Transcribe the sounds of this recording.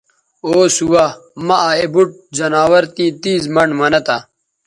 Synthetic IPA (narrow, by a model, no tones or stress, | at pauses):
oːsuwamɐʔaebuʈ̚d͡ʑɐnaːwɐɾt̪ĩːt̪iːzmɐɳmɐnɐt̪a